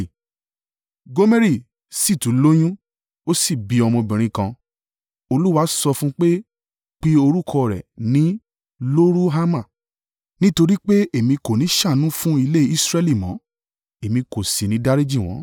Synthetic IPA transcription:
ɡo˦me˦ɾi˦˨ | si˦˨tũ˨˦lo˦j̃ũ˦ | o˦si˦˨bi˨˧ɔ˧mɔ̃˧bĩ˨ɾ̃ĩ˧kã˧ | o˧lu˦wa˦sɔ˧fũ˦k͡pe˦ | k͡pi˦o˧ɾu˦kʰɔ˧ɾɛ̰˨nĩ˨˦ | lo˦ɾu˦ɦa˦mã˦˨ | nĩ˦to˧ɾi˦k͡pe˦e˦˨mĩ˧ko˨nĩ˨˦ʃa˦˨nũ˦fũ˦i˧le˦i˦sɾɛ˦li˦˨mɔ̃˨˦ | e˨mĩ˧ko˨si˨nĩ˨˦da˦ɾi˦d͡ʒi˦˨w̃ɔ̰̃˨˦

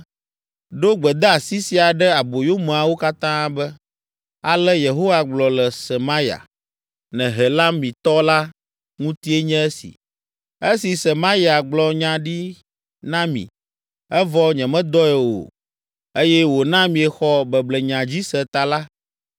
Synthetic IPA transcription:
ɖo˦ɡ͡bɛ˨d̪ɛ˦a˨si˦si˨a˨ɖɛ˦a˨bo˨jo˦mɛ̃˨a˨wo˦ka˦t̪ã˦bɛ˦ | a˨lɛ˦je˨ɦo˦wa˨ɡ͡blɔ˨lɛ˨sɛ˨ma˦ja̰˨ | nɛ̃˨ɦɛ˨la˦mĩ˨t̪ɔ˦la˦ | ŋũ˦t̪i˦ɛ˦ɲɛ̃˦ɛ˦sḭ˨ | e˦si˨sɛ˨ma˦i˦a˨ɡ͡blɔ˨ɲã˨ɖi˦ | nã˦mḭ̃˨ | ɛ˦vɔ˦ɲɛ̃˨mɛ̃˦d̪ɔ˦ɛ˨wo̰˨ | e˦jɛ˦wo˨nã˦mĩ˨ɛ˨xɔ˦bɛ˨blɛ˨ɲã˨d͡ʑi˦sɛ˨t̪a˨la˦

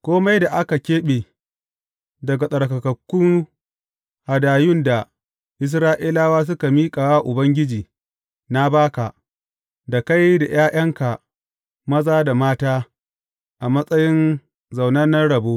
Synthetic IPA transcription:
kʷoː˦ma˦jda˨ʔa˦ka˨kʲeː˦ɓeː˨ | dɐ˨ɡa˨sʼɐ˨ɽkɐ˨kɐ˨kːʊ˦ŋ | ha˨daː˨jʊ˦nda˨ | ʔɪ˦s̬ɾaː˦ʔi˦laː˦waː˦s̬ʊ˦ka˨miː˦kʼaː˨waː˦ʔʊ˨bɐ˦ŋɡʲɪ˦d͡ʒiː˨ | na˦baː˦ka˨ʔ | da˨ka˦jda˨j̰aː˦j̰ɐ˦ŋka˨ | mɐ˦zaː˦da˨maː˦taː˦ | ʔa˨mɐ˦sʼɐ˦jɪ˦n | za˨wnɐ˦nɐ˦ɽɐ˨boː˦

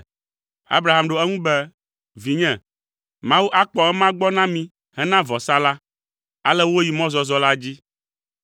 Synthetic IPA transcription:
a̰˦bɾa˨ɦa˨mɖo˨ɛ˦ŋũ˦bɛ˦ | vi˨ɲɛ̃˨ | mã˦wu˦ʔa˦k͡pɔ˨ɛ˦mã˦ɡ͡bɔ˦nã˦mĩ˨ | ɦɛ˦nã˦vɔ˨sa˦la˦ | a˨lɛ˦wo˦ji˨mɔ̃˦zɔ˨zɔ˦la˦d͡ʑi˦

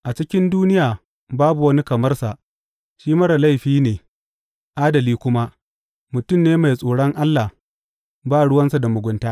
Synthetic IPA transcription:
ʔa˨t͡ʃɪ˦kʲɪ˦nduː˦nɪ˦jaː˨ | baː˦bu˨wɐ˦ni˦kɐ˨mɐ˦rsa˨ʔ | ʃiː˦mɐ˦ɽa˨la˦jɸiː˦neː˨ | ʔaː˦dɐ˨liː˦kʷʊ˦ma˦ | mʊ˨tʊ˦˨mneː˦ma˨jsʼoː˨ɽɐ˦ŋʔa˦lːa˨h | baː˦˨ɽʊ˦wɐ˦nsa˨da˨mʊ˨ɡʷʊ˦ntaː˦

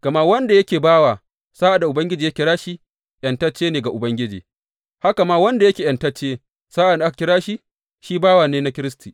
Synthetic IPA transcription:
kɐ˨ma˦wɐ˦nda˨jɐ˦kʲeː˨baː˦waː˨ | saː˦ʔa˨da˨ʔʊ˨bɐ˦ŋɡʲɪ˦d͡ʒiː˨jɐ˦kʲɪ˦ɽaː˦ʃi˦ | jɐ˨ntɐ˦t͡ʃːeː˦neː˨ɡa˨ʔʊ˨bɐ˦ŋɡʲɪ˦d͡ʒḭː˨ | ha˦ka˨ma˦wɐ˦nda˨jɐ˦kʲeː˨jɐ˨ntɐ˦t͡ʃːeː˦ | saː˦ʔa˨da˨˦kkʲɪ˦ɽaː˦ʃi˦ | ʃiː˦baː˦wa˨neː˦na˦kʲɪ˦ɾɪ˦stiː˨

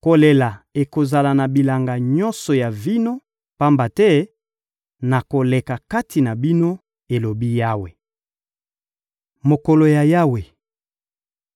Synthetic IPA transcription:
ko˨le˨la˨e˨ko˨za˨la˨na˨bi˨la˨ŋɡa˨ɲɔ˦nsɔ˨ja˨vi˦no˦ | pa˦mba˨tɛ˦ | na˨ko˨le˨ka˨ka˦ti˨na˨bi˦no˦ | e˨lo˨bi˦ja˦we˨ | mo˨ko˨lo˨ja˨ja˦we˨

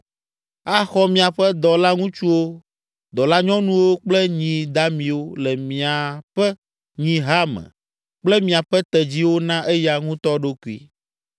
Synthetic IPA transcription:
a˦xɔ˦mĩ˨a˨ɸɛ˦d̪ɔ˨la˦ŋũ˦t͡ʃu˦wo˦ | d̪ɔ˨la˦ɲɔ̃˦nũ˦wo˦k͡plɛ˦ɲĩ˨d̪a˦mĩ˨wo˦lɛ˨mĩ˨a˨ɸɛ˦ | ɲĩ˦ɦa˦mɛ̰̃˨ | k͡plɛ˦mĩ˨a˨ɸɛ˦t̪ɛ˨d͡ʑi˦wo˦nã˦ʔɛ˦ja˦ŋũ˦t̪ɔ˦ɖo˦ku˨ḭ˦

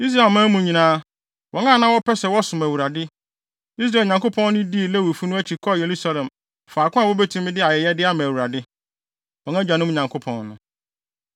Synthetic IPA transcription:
i˦s̬ɾa˦˨e˨mã˦mũ˨ɲĩ˨nãː˦ | wʔɔ˨˦ŋãː˦˨nã˦wɔ˦pʰɛ˦sɛ˨wɔ˦sʊ̃˨mæ˨wu˨ɾa˨dɪ˦ | i˦s̬ɾa˦˨ɲã˨ŋko˦pʰɔ̃˦nː˦ɪ̃˦di˦˨lɛ˦wo˨fu˦nʊ̃˦æ˦t͡ɕʰi˨kʰɔ˦˨je˨ɾu˦sa˦lɛ̃˨m | faː˨kʰʊ̃˦a˨wɔ˦bɛ˦tʰũ˦m̃˦dɪ˦a˨jɛ˨jɛ˦dɪ˦a˦mã˨wu˨ɾa˨dɪ˦ | wɔ̃˨ŋã˦d͡ʑᶣa˨nʊ̃˦m˦˨ɲã˨ŋkʰo˦pʰɔ̰̃˦nːʊ̃˦

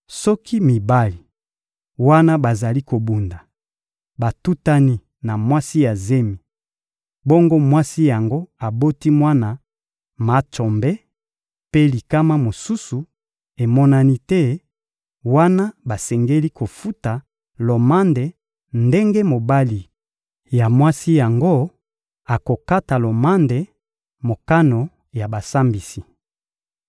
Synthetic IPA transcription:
sɔ˦ki˦mi˨ba˦li˨ | wa˦na˦ba˨za˨li˦ko˨bu˨nda˨ | ba˨tu˦ta˦ni˦ | na˨mwa˦si˦ja˨ze˦mi˨ | bɔ˦ŋɡo˦mwa˦si˦ja˨ŋɡo˦a˨bo˦ti˦mwa˦na˨ | ma˨˦tɔ˨mbɛ˦ | pe˦li˨ka˦ma˦mo˨su˦su˨ | e˨mɔ˦na˦ni˦tɛ˦ | wa˦na˦ba˨sɛ˨ŋɡe˦li˦kʰo˨fu˦ta˨ | lo˨ma˦nde˨ | nde˦ŋɡe˦mo˨ba˦li˨ | ja˨mwa˦si˦ja˨ŋɡo˦ | a˨ko˨ka˦ta˨lo˨ma˦nde˨ | mo˨ka˦no˨ | ja˨ba˨sa˦mbi˨si˨

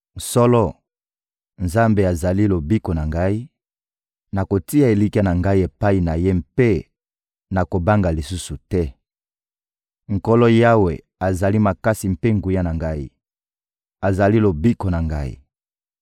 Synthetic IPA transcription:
sɔ˦lɔ˦ | nza˦mbe˨a˨za˨li˦lo˨bi˦ko˨na˨ŋɡa˦i˦ | na˨ko˨ti˦a˨e˨li˦ki˦a˦na˨ŋɡa˦i˦e˨pa˦i˨na˨je˦mpe˦ | na˨ko˨ba˦ŋɡa˨li˨su˦su˨tɛ˦ | ŋ̩˨ko˦lɔ˦ja˦wḛ˨ | a˨za˨li˦ma˨ka˦si˨mpe˦ŋɡu˨ja˦na˨ŋɡa˦ḭ˦ | a˨za˨li˦lo˨bi˦ko˨na˨ŋɡa˦ḭ˦˨

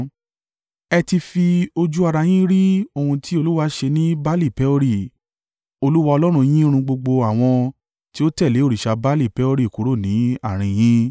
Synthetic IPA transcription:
ɛ˧ti˧fi˧o˧d͡ʒu˦a˧ɾa˧j̃ĩ˦ɾi˦o˨hũ˧tʰi˦o˧lu˦wa˧ʃe˧nĩ˦ba˦li˦˨pɛ˨˦o˧ɾi˦˨ | o˧lu˦wa˧ɔ˧lɔ˦ɾ̃ũ˧j̃ĩ˦ɾ̃ũ˧ɡ͡bo˧ɡ͡bo˧a˦˨w̃ɔ̃˧ | ti˦o˦tɛ˦˨le˨˦o˦˨ɾi˨ʃa˧ba˦li˦˨pɛ˨˦o˧ɾi˦˨ku˨˦ɾo˦˨nĩ˨˦a˦˨ɾ̃ĩ˧j̃ĩ˦

